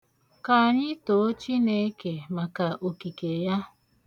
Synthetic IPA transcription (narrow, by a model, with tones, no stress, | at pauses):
ka˨ɲɪ˦to˨o˦t͡ʃi˦ne˦ke˨ma˨ka˨ʔo˨ki˨ke˨ja˦